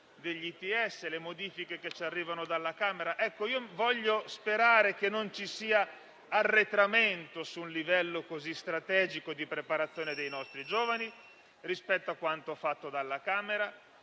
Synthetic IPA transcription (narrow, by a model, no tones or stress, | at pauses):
d̪eʎːit̪iɛsːelemod̪iːfikeket͡ʃːarːiːvanod̪alːakaːmeɾaʔɛkːoiːovɔʎːospeɾaːɾek̟enːont͡ʃisiːa | arːet̪ɾament̪osunlivɛlːokozist̪ɾat̪ɛːd͡ʒikod̪ipɾepaɾat̪sːjoːned̪ejnɔst̪ɾid͡ʒoːvani | rispɛt̪ːoakːwant̪ofat̪ːod̪alːakaːmeɾa